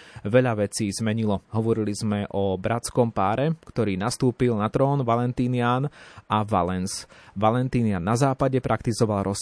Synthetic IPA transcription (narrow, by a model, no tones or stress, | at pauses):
ʋɛʎaʋɛt͡siːzmɛɲilɔɦɔʋɔɾilizmɛʔɔbɾat͡skɔmpaːɾɛkt̪ɔɾiːnast̪uːpilnat̪ɾɔːnʋalɛnt̪iːnɪaːnʔaʋa̰lɛnsʋalɛnt̪iːnɪanːazaːpaɟɛpɾʔakt̪izɔʋalɾɔs